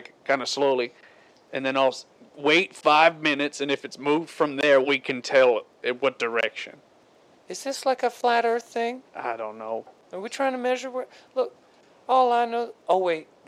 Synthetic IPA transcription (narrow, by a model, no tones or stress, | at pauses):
ɪkkʰãɪ̃ndɨsloʊlˠi | ɨ̃nðɨ̃naɪlˠ | weɪtfaɪvmɪ̃nɨtsɨ̃nɨfɨtsmuvd̥fɹʌ̃mðə˞wikʰɨ̃ntʰɛlˠ | ɪ̃nwʌt̚d̥ə˞ɛkʃɨ̰̃n | ɨtsðʌsˡlaɪkɨflæɾə˞θɪ̃ŋʔa̰ɪɾõʊ̃nːoʊ | ə˞witʰɹ̥aɪɪ̃ŋtʰɨmɛʒə˞wəlʊk̚ | ɔlˠaɪnoʊoʊweɪt̚